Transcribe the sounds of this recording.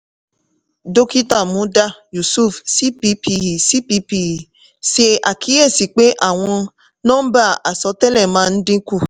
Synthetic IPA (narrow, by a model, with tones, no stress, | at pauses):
do˦ki˦ta˦˨mũ˨˦da˦ju˨su˦˨fsi˦pi˨˦pi˦ɦi˨si˦pi˦pi˨i˨ | se˦a˨kʰi˨˦e˦˨si˨k͡pe˦ʔa˦˨w̃ɔ̃˧ | nɔ̃˦n̩˦ba˦˨ʔa˨sɔ˧˦tɛ˦lɛ˦˨mã˨˧˦n̩˦dĩ˦ku˦˨